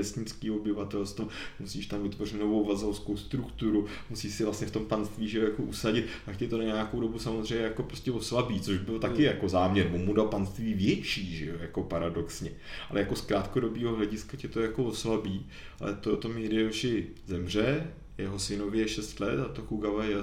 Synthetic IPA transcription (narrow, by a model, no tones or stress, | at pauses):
ɛst̪ɲɪt͡skiːo̞bɪvat̪ɛlst̪vomusiːʃt̪amvɪt̪vor̝ɪt̪no̞vo̞wvazolskowst̪ɾukt̪uɾu | musiːʃsɪvlast̪ɲɛft̪o̞mpanst̪viːʒɛjojakoʔusaɟɪt̪t̪akcɛt̪o̞naɲejakowdo̞busamo̞zr̝ɛjɲɛjako̞pɾoscɛvoslabiːt͡soʒbɪlt̪akɪjako̞zaːmɲɛɾmomudalpanst̪viːvjɛt͡ʃiːʒɛjojako̞paɾado̞ksɲɛ | ʔalɛjako̞skɾaːt̪kodo̞biːɦoɦlɛɟɪskacɛt̪o̞jako̞voslabiː | a̰lɛ̰t̪oot̪o̞midɪɛʃɪ | zɛmr̝ɛ | jɛɦo̞sɪno̞vjɛʃɛst̪lɛt̪at̪okuɡavajɛ